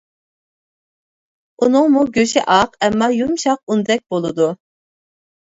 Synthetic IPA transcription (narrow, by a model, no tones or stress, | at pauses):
unɨŋmuɡʲøʃɛʔɑqɛmːɑjumʃɑq̚und̪ɛk̚ʲb̥olˠɨd̪u